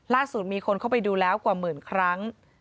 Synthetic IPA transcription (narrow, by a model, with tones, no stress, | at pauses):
laː˥˩su˨˩t̪̚miː˧kʰo˧nkʰa˥˩wpa˧jduː˧lɛː˦˥wkwaː˨˩mɯː˨˩nkʰɾa˦˥ŋ